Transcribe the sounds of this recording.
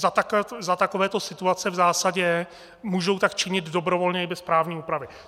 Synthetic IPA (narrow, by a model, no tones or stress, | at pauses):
zat̪akzat̪akovɛːt̪o̞sɪt̪uat͡sɛvzaːsaɟɛ | muːʒowt̪akt͡ʃɪɲɪd̪dobɾovo̞lɲɛɪbɛspɾaːvɲiːuːpɾavɪ